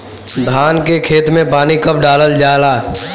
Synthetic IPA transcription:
d̪ʱaːnkekʰeːt̪mẽpaːnikəp̚ɖaːləld͡ʒaːlaː

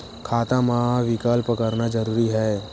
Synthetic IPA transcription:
kʰaːt̪amãʋɪkaːlpəkəɾnad͡ʒəɾuːɾiɦɛː

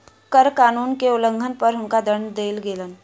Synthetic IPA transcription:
kəɾkanuːnkeuləŋɡʱənpəɾɦuŋkad̪əɳd̪elɡelən

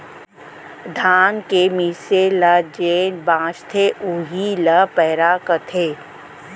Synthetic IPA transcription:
d̪ʱaːnkemiseləd͡ʒeːnbãːt͡ʃt̪ʰeʔuɦiləpɛːɾakət̪ʰeː

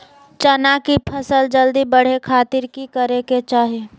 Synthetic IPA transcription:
t͡ʃənakipʰəsəld͡ʒəld̪ibəɽ̤ekʰaːt̪ɪɾkikəɾeket͡ʃaːɦe

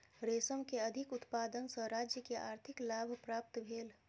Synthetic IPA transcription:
ɾeːsəmkeɐd̪ʱɪkʊt̪paːd̪ənsə̃ɾaːd͡ʒjəkeʔaːɾt̪ʰɪklaːbʱpɾaːp̚t̪bʱeːl

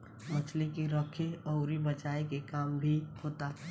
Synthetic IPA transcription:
mət͡ʃʰlekiɾɔkʰeɔʊɾibət͡ʃaːekekaːmbʱihoːt̪a

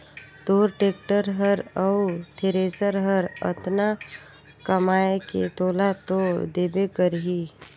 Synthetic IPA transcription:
d̪oːɾʈeːk̚ʈəɾɦəɾəʊt̪ʰeɾeːsəɾɦəɾə̰t̪na | kəmaːekḛt̪oːlat̪od̪eːbekəɾɦiː

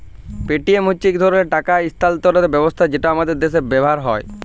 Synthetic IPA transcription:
peʈiemɦut͡ɕːik̚d̪ʱɔɾoeɾʈakaist̪ʰalt̪oɾeɾbɛbost̪ʰad͡ʑeʈaamad̪eɾd̪eʃ̬eɾbɛbɦaɾɦɔe

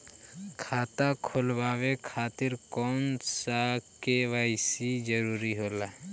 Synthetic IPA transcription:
kʰaːt̪akʰolbaːwekʰaːt̪ɪɾkɔːnsakeʋaɪsid͡ʒəɾuɾiɦoːla

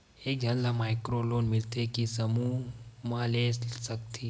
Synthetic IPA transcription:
eːk̚d͡ʒʱənlamaːjkɾoloːnmɪlt̪ekisəmumãlesəkt̪ʰi

